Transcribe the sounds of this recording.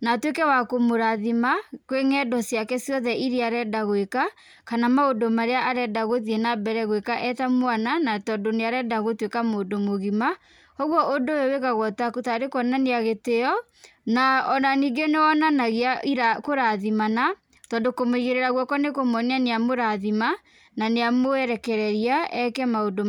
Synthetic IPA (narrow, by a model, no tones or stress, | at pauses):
natwekɛwakomoɾaðimakweŋɛdɔsjakɛsiɔðɛʔiɾiaɾɛdaɣoeka | kanamaodomaɾeaʔaɾɛdaɣoðiɛnabɛɾɛɣwekaʔɛtamoananatɔːdoneaɾɛdaɣotwekamodomoɣima | ɔɣwɔʔodojoweɣaɣɔtakotaɾekɔnaneaɣeteɔ | naɔnaniːɡeneɔnanaɣeaiɾakoɾaðimana | tɔːndokomoiɣeɾeɾaɣwɔkɔnekomɔnianeamoɾaðima | naneamoɛɾɛkɛɾɛɾiaʔɛkɛmaodom